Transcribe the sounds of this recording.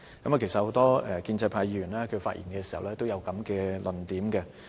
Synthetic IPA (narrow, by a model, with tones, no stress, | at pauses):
kkɐ˨˥maː˨ke˨˩sɐ˨t̚ho˨˧˥wt̪ɔː˥ɛ˨kiː˧nt͡sɐ˧jpʰaː˧jiː˧ɥyː˨˩nlaː˥kʰɵ˨˧faː˧t̚ʔiː˨˩nkɛː˧si˨˩hɐ̰˨wlɛː˥t̪o˥wjɐ˨˧wkɐ˨˥mkɛː˧lʔɵ˨˩nt̪iː˨˥mkɛ˧